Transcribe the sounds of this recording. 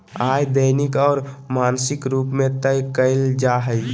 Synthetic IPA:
aːjd̪əɪnɪkɔːɾmaːnsɪkɾuːpmẽt̪əjkəɪld͡ʒaɦəj

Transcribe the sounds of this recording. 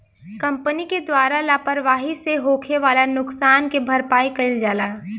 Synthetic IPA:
kɐ̃mpəniked̪waːɾalaːpəɾʋaːɦiseɦoːkʰeʋaːlanʊksaːnkebʱɐɾpaːikɐɪld͡ʒaːlaː

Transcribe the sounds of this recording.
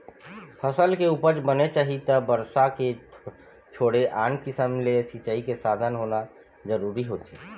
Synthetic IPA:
pʰəsəlkeupəɾt͡ʃbənet͡ʃaɦit̪əbəɾsake | t͡ʃʰoɽeʔankisəmlesit͡ʃəikesad̪ʱənɦona | d͡ʒəɾuɾiɦot͡ʃʰɛ

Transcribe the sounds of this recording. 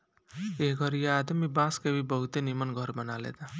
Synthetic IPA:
eɦɡʱʌɾijead̪mibãskebʱibəɦut̪enimənɡʱɔɾbənalḛd̪a

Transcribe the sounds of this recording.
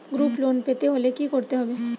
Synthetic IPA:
ɡɾuːploːnpet̪eɦolekikɔɾt̪eɦobẽ

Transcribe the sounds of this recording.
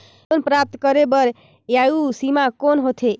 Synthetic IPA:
onpɾap̚t̪kəɾebəɾ | jausimakonɦot̪ʰe

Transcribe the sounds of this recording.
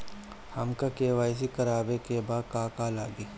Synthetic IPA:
hɐmkakeːʋaːs̬ikɐɾaːbekebaːd̪̚kaːkaːlaːɡiː

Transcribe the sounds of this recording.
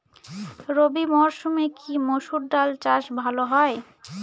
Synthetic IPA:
ɾobimɔɾʃumekʰimoʃuɾɖalt͡ɕaʃbʱaloɦɔe

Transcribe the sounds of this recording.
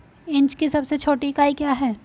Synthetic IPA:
ɪ̃ɲt͡ʃkisɐbset͡ʃʰoːʈikaːikjaːɦɛː

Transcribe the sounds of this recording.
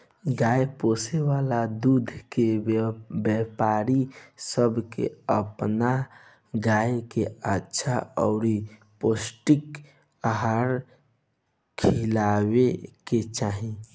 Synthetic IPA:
ɡaːepoːsewaːlad̪uːd̪ʱke | bjɛpaːɾisəbkḛəpna | ɡaːjkeətːʃʰaɔʊɾi | poːsʈɪk | aɦaɾ | kʰilaweket͡ʃaːɦĩ

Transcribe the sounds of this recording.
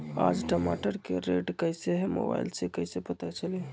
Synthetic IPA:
a̰d͡ʒʈəma̰ʈəɾkḛɾeʈkəɪseɦemo̰ba̰ilsekəɦsepət̪at͡ʃʰəli

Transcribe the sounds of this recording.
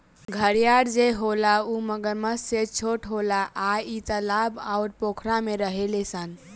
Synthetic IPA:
ɡʱəɾjaɽd͡ʒeɦolauməɡəɾməsset͡ʃʰoʈɦolaʔait̪əlabawɾpokʰɾameɾəɦelesən

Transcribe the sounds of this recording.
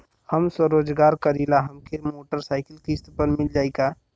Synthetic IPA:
həmswəɾoːd͡ʒɡaːɾkɐɾilaɦɐmkʰemoːʈəɾsaːɪkəlkist̪pəɾmɪld͡ʒaːeɡaː

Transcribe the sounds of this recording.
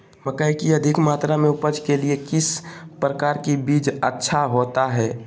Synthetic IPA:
məkəikiɐd̪ʱɪkmaːt̪ɾamẽʊpəd͡ʒkeliekɪspɾəkaːɾkibiːd͡ʒətːʃʰaɦoːt̪aɦɛː

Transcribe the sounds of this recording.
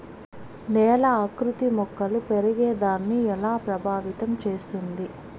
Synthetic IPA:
nɛːlɐːkɾut̪imɔkːɐlupeɾɐɡeːd̪aːnːiɛlaːpɾɐbʱaːʋit̪ɐmt͡ʃeːst̪und̪i

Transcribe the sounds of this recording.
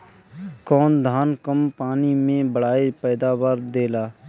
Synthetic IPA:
kɔːnd̪ʱaːnkəmpaːnimẽbəɽ̤aːepɛːd̪aːbaːɾd̪eːlaː

